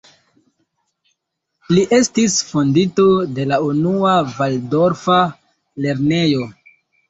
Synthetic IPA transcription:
liʔe̞stisfo̞ndito̞de̞launuavaldo̞ɾfa | le̞ɾne̞jo̞

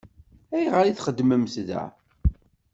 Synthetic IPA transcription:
æjʁəɾiθχəd̪ːməmsðæ̰

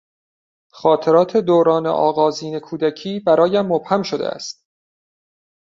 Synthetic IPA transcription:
xɒːt̪ʰe̞ɾɒːt̪ʰe̞d̪oːɾɒːnḛʔɒ̰ːɣɒːziːne̞kʰuːd̪æcʰiːbæɾɒːjæmːob̥hæmʃo̞d̪ḛʔæ̰st̪̚

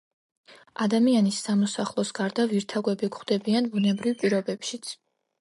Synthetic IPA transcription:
ad̪amianisːamɔsaχlˠɔsɡ̥aɾd̪aviɾt̪ʰaɡwɛbiɡχd̪̥ɛbianbunɛbɾivpʼiɾɔbɛpʃit̪sʰ

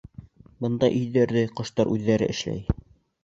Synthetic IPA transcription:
bɤ̆nd̪ɑʔɵ̆jðæɾðɘqŏʃt̪ɑɾʔʉðːæɾɘ̰ʔɘ̆ʃlæ̰j

